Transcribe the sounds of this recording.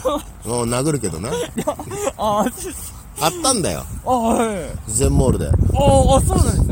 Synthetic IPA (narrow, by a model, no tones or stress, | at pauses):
moːnaɡɯ̟ɾɯ̟ke̞d̪o̞najaa | at̪ːãnd̪a̰jo̰aɦazẽ̞mːoːɾɯd̪e̞̰soːnãns